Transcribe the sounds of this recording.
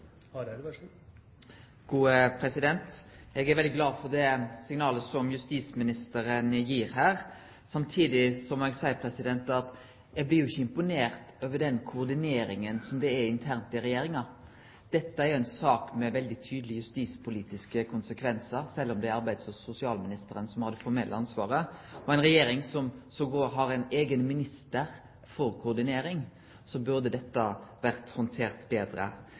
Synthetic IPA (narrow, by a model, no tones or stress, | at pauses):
ɡ̥uːəpʰɾɛsɪd̪ɛnt̪ʔɛɡæɾʋɛld̪ɪɡlɑːdfɔd̪ɛsɪŋnɑːləsɔmjʉst̪iːsmɪnɪst̪əɾənjiːɾɦæːɾ | sɑmt̪ʰiːd̪ɪsɔmɛɡsæɪəpʰɾɛsɪd̪ɛnt̪ɑt̪ | ɛɡblɪɾjʊɪçːəɪmpʊneːɾt̪øːʋəɖɛnkʰʊːɾd̪ɪneːɾɪŋənsɔmd̪ɛæɪnt̪ʰæɾnt̪ɪɾɛjeːɾɪŋɑ | d̪̥ɛt̪ːəæɾjʊɛɪnsɑːkmɛʋɛld̪ɪt̪ʰyːd̪əlɪjʉst̪iːspʰʊliːt̪ɪskəkʰʊnsəkʰʋɛnsəɾsɛlːɔmd̪ɛæɾɑʁbæɪd̪sɔsʊsɪɑːlmɪnɪst̪əɾənsɔmhɑd̪ɛfɔɾmɛlʔəɑnsʋɑːɾəɔɛɪnɾɛjeːɾɪŋsɔmsɔɡoːɾɦɑɾɛɪneːɡənmɪnɪst̪əɾ | fɔɾkʰʊːʁd̪ɪneːɾɪŋ | sɔbʉɾd̪əd̪ɛt̪ːəʋæʁt̪hɔnt̪ʰeːʁt̪beːd̪ɾə̰